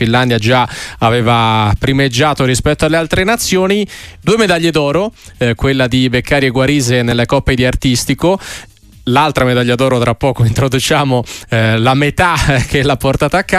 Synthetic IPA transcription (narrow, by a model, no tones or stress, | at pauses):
ilːand̪jad͡ʒaaveːvapɾimed͡ʒːaːt̪oɾispɛt̪ːoalːealt̪ɾenat̪sːjoːnid̪uːemed̪aʎːed̪ɔːɾokwelːad̪ibekːaːɾjeɡwaɾiːzenelːekɔpːed̪iart̪ist̪iko | lalt̪ɾamed̪aʎːad̪ɔːɾot̪ɾapːɔːkoint̪ɾod̪ut͡ʃaːmolamet̪ak̟elapːort̪aːt̪aːkːa